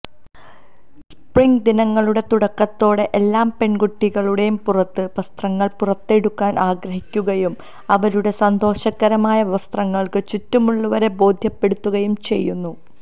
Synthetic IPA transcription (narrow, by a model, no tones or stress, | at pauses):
ss | priŋɡd̪inɐŋːɐɭuɽe̞t̪uɽɐkːɐt̪ːo̞ːɽe̞ʔelːaːmpe̞ɳɡuʈːiɣɐɭuɽe̞jumpurɐt̪ːɨʋɐst̪rɐŋːɐɭpurɐt̪ːe̞ɽukːaːnʔaːɡɾɐɦikʲːuɣɐjum | ɐʋɐɾuɽe̞sɐnd̪o̞ːɕɐɣɐɾɐmaːjɐʋʋɐst̪rɐŋːɐɭkɨt͡ɕutːumuɭːuʋɐɾe̞bo̞ːd̪ʱjɐpːe̞ɽut̪ːuɣɐjumt͡ɕe̞̰jːunːu